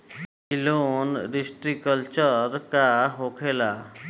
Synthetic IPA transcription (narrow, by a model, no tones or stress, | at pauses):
ilonɾisʈɾikəlt͡ʃəɾkaɦokʰela